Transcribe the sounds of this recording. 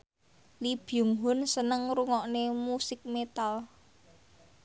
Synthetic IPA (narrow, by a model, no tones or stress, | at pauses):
lib̥juŋɦʊnsənəŋɾuŋɔʔnemusɪk̚met̪al